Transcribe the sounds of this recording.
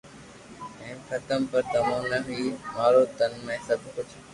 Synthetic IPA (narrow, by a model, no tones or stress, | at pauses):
ɛ̃ːkʰɐt̪əmpɐɾt̪ɐmõːnɐɦʊiːmaːɾoːt̪ənmẽːsɐbʱkʊd͡ʒʱ